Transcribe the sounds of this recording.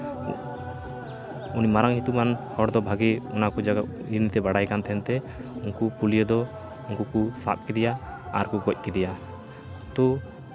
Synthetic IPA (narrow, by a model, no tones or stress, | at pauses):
unimaɾaŋɦit̪umanhɔɽd̪ɔbʱaɡiɔnakud͡ʒaɡa | iɾnit̪ɛbaɽajkant̪ɛɦɛnt̪ɛ | uŋkupulijəd̪ɔ | uŋkukusa̰t̪̚kid̪ɛjaa̰ɾkuɡɔc̚ˀkid̪ɛja | t̪ɔ